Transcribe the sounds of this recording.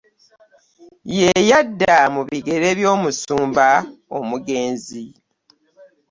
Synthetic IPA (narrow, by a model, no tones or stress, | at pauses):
je̞jadːamuβiɡe̞ɾe̞βjo̞ːmusuːmbaomuɡe̞ːnzi